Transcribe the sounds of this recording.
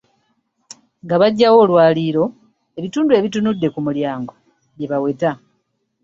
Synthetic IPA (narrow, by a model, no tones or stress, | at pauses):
ŋɡaβaɟːawo̞ːlwaːliːɾo̞ | e̞βituːndue̞βitunudːe̞kumuljaːŋɡo̞ | βjeβawe̞ta